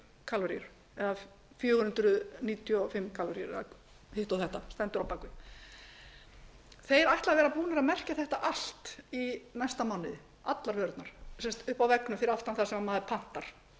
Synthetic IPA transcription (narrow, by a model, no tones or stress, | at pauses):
kʰalɔɾiʏɾ̥ | ɛða | fjœːɣʏʏnt̪ɾʏniːt̪ʰjʏɔfɪmːkʰaːlɔɾiʏɾɛ̰ða | hɪht̪awθɛht̪ast̪ɛnt̪ʏɾɔpaːkvʏ | θejɛɾajht̪lavɛːɾapuːnaɾaðmɛr̥caθɛht̪aʔal̥t̪inajst̪amawnɪðɪ | at̪laɾvœɾt̪naɾ̥sɛmst̪ʏhpawvɛknʏmfɪɾɪɾaft̪anθḁsɛmamaːðɪpʰan̥t̪aɾ̥